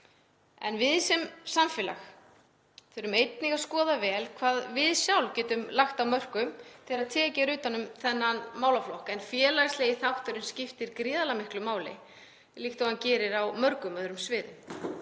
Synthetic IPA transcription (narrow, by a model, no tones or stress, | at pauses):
ɛ̰nvɪðsɛmsamfɪːla̰x | θɛɾʏmejt̪niɣaskɔːðavɛːlkʰvaːðvɪðsjawlcɛːt̪ʏmlaxt̪awmœr̥kʏmt̪ʰɪlaðt̪ʰɛːcaɾʏːt̪anːʏmθɛnːanmaːwlaflɔhkɛnfjɛːlajsleːjɪθawht̪œɾʏnscɪft̪ɪɾkɾɪːðalamɪhklʏmaːwlɪ̰ | lixt̪ahancɛːɾɪɾawmœɾkʏmœðɾʏmsvɪːðʏ̰m